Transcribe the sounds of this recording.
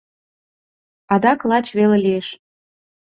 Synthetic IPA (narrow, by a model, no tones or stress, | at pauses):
ɑd̪ɑklˠɑt͡ɕβelelieʃ